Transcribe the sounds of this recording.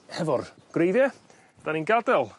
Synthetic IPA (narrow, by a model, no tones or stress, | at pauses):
hɛvɔr | ɡ̥rejðjɛ | d̥aninɡadɛlˠ